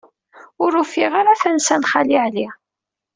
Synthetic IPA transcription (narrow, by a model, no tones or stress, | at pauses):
ʊɾufiʁaɾaθænsænχaliʕli